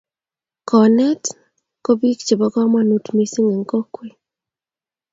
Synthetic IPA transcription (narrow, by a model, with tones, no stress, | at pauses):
kɔ˨nɛ˦t | ko˦bi˦kt͡ʃe˨bɔ˨kɔ˦ma˦nu˨˦tmi˦si˦ŋe˨ŋko˦kwe˨